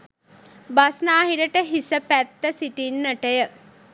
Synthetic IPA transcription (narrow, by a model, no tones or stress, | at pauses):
basnaːɦiɾəʈəɦisəpæt̪ːəsiʈinːəʈəjə